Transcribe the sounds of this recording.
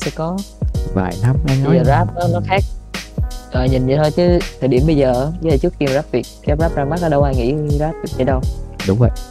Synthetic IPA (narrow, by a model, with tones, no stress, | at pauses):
sɛ̰˧˥kɔ˨˦va̰ː˨˩jna˨˦mɗaː˨˦ə˧zəː˨˩zaː˦˥p̚nɔ˨˦nɔ˨˦jxaː˦˥k̚ | ʔəː˨˩ɲï˨˩nɨ˨˩t̪ʰo˧jt͡ɕɨ˨˦t̪ʰːəː˨˩jɗi˧˩əmɓə˧jzəː˨˩˨ə˧˦ə˨˩t͡ɕɨ˦˥ək̚ki˧m˨zaː˦˥p̚vi˨˩ək̚kɛ˧˦zaː˦˥p̚zaː˧˩ŋma˦˥ʔaː˧˦ɗə˧wʔaː˧jŋḭ˧˥zaː˦˥p̚vi˨˩k̚t͡ɕə˧˦ɗə˧wɗʊ˨˦ŋ͡mvə̰˧˨j